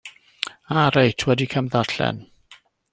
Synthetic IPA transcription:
aɾejtʰwɛdikʰəmðaɬɛ̰n

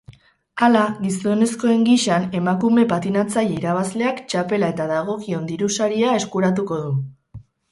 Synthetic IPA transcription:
alaɣiso̞ne̞sko̞e̞ŋɡiʃane̞makume̞pat̪inat͡sajeiɾaβ̞azle̞akt͡ʃape̞lae̞t̪aðaɣ̞o̞kio̞nd̪iɾusaɾiae̞skuɾat̪̬uko̞ðu

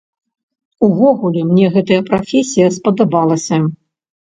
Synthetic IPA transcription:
uvɔɣulʲɛmnʲɛɣɛt̪ɐjɐpɾafʲesʲijɐspɐd̪abalˠɐsʲɐ

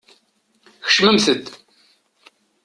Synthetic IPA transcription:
xʃməmθəd̪

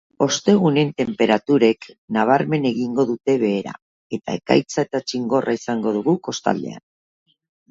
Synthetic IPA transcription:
o̞st̪e̞ɣ̞une̞nt̪e̞mpe̞ɾat̪uɾe̞knaβ̞aɾme̞ne̞ɣiŋɡo̞ðut̪e̞βe̞ːɾa̰ | e̞t̪a̰e̞ka̰jt͡saet̪at͡ʃiŋɡo̞rʔaisaŋɡo̞ð̞uɣuko̞st̪a̰ld̪e̞̰a̰n

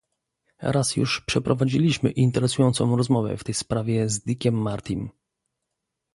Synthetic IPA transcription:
ɾasjṵʂpʂɛpɾɔvad͡ʑilʲiɕmɘʔint̪ɛɾɛsujɔnt̪sɔ̃w̃ɾɔzmɔvɛ̰ft̪ɛjspɾavʲjɛzd̪ikʲɛmːaɾt̪ʲim

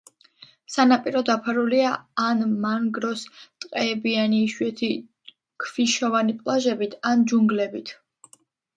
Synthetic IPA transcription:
sanapʼiɾɔd̪apʰaɾuliaːnmaŋɡɾɔst̪ʼqʼɛːbianiːʃwɛt̪ʰi | kʰviʃɔvanipʼlˠaʒɛbit̪ʰand͡ʒuŋɡlɛbit̪ʰ

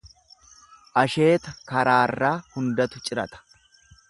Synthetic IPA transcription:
ʔɐʃe̞ːt̪ɐkɐɾaːrːaːhʊnd̪ɐt̪ʊt͡ʃʼɪɾɐ̰t̪ɐ̥

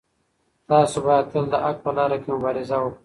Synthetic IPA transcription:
t̪ɑːsobɑjad̪̚t̪əld̪əʔak̚pəlɑːɾakemʊbɑɾɪzawok

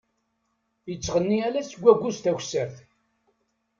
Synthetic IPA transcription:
jət͡sːʁənːiælæsəɡʷːæɡʷːust̪æçsæθ

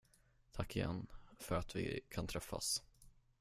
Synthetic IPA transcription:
t̪ʰakːɪjɛ̰nːfœɾat̪vɪ̰kʰant̪ʰɾɛfːa̰s

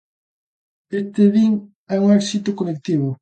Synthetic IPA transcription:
est̪ɪðiŋ | ɛuŋɛksit̪ʊkolek̚t̪iβʊ

